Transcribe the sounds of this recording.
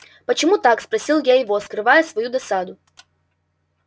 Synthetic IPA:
pət͡ɕɪmut̪akspɾɐsʲilˠjaɪvoskɾɨvajəsvɐjud̪ɐsad̪ʊ

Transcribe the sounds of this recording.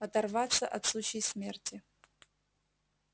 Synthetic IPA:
ɐt̪ɐrvatt͡sːɐʔɐtslˠut͡ɕejsmʲe̞rtʰʲi

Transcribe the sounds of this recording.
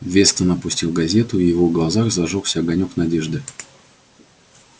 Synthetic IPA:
vʲe̞st̪ənəpʊsʲtʲilˠɡɐzʲe̞t̪ʊijɪvoɡlˠɐzaxzɐʐolˠsʲəɐɡɐnʲoknɐdʲe̞ʐd̪ɨ

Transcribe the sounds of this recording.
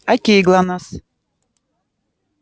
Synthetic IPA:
atʲiːɡlˠanas

